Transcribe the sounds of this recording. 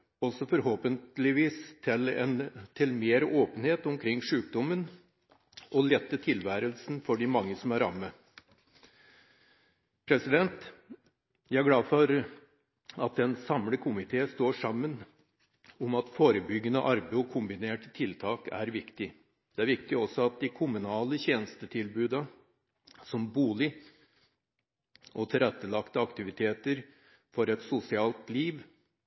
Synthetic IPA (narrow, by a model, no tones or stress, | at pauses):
ɔsɔfɔɾhoːpənt̪lɪʋiːst̪ʰɪlɛnt̪ʰɪlmeːɾoːpənheːt̪ʊmkʰɾɪŋːʂʉːk̚d̪ɔmən | ɔlɛt̪ːət̪ʰɪlʋæːɾəlsn̩fɔɖɪmɑŋːəsɔmæɾɑ̰mːə | pʰɾɛsɪd̪ɛnt̪ | jæɪæɡlɑːfɔɾ | ɑt̪̚d̪ɛnsɑmləkʰʊmɪt̪ʰeːst̪oːʂɑmːən | ʊmɑt̪foːɾəbʏɡːənə̰ʔɑɾbeɔkʰʊmbɪneːʈt̪ʰɪlt̪ʰɑːkæ̰ɾʋɪkt̪ɪ | d̪̥ɛæɾʋɪkt̪ɪɔsɔɑt̪̚d̪ɪkʰʊmʉnɑːləçeːnəst̪ət̪ʰɪlbʉːd̪ɑ | sɔmbuːlɪ | ʔɔt̪ʰɪlɛt̪ːəlɑkt̪əɑkt̪ɪʋɪt̪ʰeːt̪əɾ | fɔɾɛt̪sʊsɪɑːlt̪liːʋ